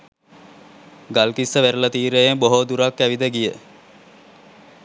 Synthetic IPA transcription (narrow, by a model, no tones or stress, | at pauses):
ɡalkisːəʋeɾələt̪iːɾəjemboɦod̪uɾakːæʋid̪əɡijə